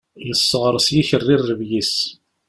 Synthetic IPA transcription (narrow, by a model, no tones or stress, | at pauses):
nəsːəʁɾˤəsjiçərːɪrːəvjis